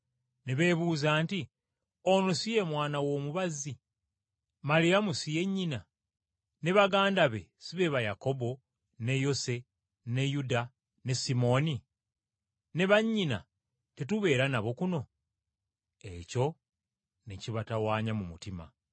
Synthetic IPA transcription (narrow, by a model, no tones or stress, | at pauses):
neβe̞ːβuːzaːnti | onosijemwaːnawo̞muβazi | malijamusije̞ɲːina | ne̞βaɡaːndaβe̞̰siβe̞βajako̞bo̞ | ne̞jo̞se̞ | ne̞juda | ne̞simo̞ni | ne̞βaɲːina̰ | tetuβe̞ːɾanaβo̞kuno̞ | e̞co̞ | neciβatawaːɲamumṵtima̰